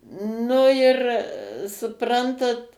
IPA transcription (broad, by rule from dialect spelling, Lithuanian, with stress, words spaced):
ˈnʊ ɪr sʊˈprɐntɐt